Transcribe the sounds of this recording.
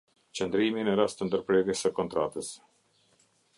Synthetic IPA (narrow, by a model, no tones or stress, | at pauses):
t͡ʃənd̪ɾiminəɾast̪ənd̪əɾpɾɛɾjɛsəkɔnt̪ɾa̰t̪əs